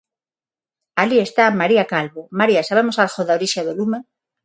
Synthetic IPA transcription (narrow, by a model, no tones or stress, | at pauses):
alie̞st̪amaɾiakalβomaɾiasaβ̞emosalxoðaoɾiʃaðelume